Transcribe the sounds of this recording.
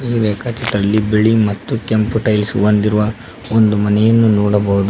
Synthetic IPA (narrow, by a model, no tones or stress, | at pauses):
iːɾɛːkɐt͡ʃɐt̪ɾɐlːibeɭimɐt̪ːukempuʈɐjlsond̪iɾuʋɐ | ond̪umɐnɛjɐnːunɔːɽɐbɐɦud̪u